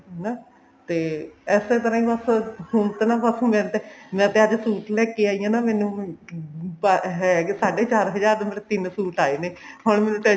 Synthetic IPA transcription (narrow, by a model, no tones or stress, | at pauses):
naː | t̪eːɛːseːt̪əɾãːĩːʋəshʊnt̪enaːʋəsõːmɛ̃ːt̪eːmɛ̃ːt̪eːəd͡ʒsuːʈlɛːkeːaːijãːnaːmɛːnũː | paɦɛːkesaːɖeːt͡ʃaːɾɦəd͡ʒaːɾd̪meɾet̪ɪnsuːʈaːiːneːɦʊɳmɛːnũːʈɛ